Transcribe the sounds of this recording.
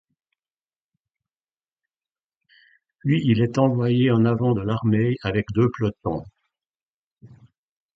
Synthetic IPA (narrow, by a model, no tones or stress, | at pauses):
pɥiʔilɛt̪ɑ̃vwajeɑ̃navɑ̃d̪əlaʁmɛjavɛkd̪øplɔt̪̚ɑ̰̃